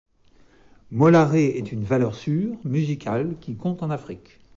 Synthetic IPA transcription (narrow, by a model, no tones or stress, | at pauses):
mɔlaʁeɛt̪ynvalœʁsyːʁmyzikʰalkʲikɔ̃t̪ɑ̃nafχik